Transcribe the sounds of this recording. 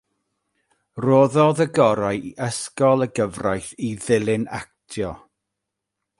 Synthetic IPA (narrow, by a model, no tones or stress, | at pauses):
roːðɔðəɡɔɾajiʔəskɔlˠəɡəvrajθiðɪlˠɪna̰k̚tʰjɔ